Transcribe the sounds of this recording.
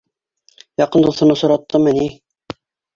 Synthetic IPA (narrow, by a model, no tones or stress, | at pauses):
jɑqɤ̆nd̪uθɤ̆nɤsŏɾɑt̪ːɤmɘ̆ni